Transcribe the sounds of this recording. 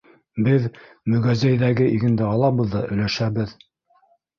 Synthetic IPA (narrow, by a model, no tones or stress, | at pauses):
bɘð | mɵ̆ɡæzæjðæɡɘʔiɡɘ̆nd̪ɘɑlˠɑβɤ̆ðːɑɵ̆læʃæβɘð